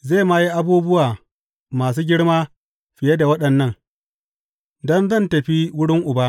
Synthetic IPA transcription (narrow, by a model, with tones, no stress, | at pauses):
ze˦˨ma˦ji˦ʔa˦buː˦bʊ˦waː˨ | maː˨s̬uː˦ɡʲɪ˦ɽmaː˦ | ɸɪ˨je˦da˨wɐ˦ɗɐ˨nːɐ˦ŋ | dɔ˦nzɐ˦˨ntɐ˨ɸi˦wʊ˦ɽɪ˦ŋʔʊ˨baː˦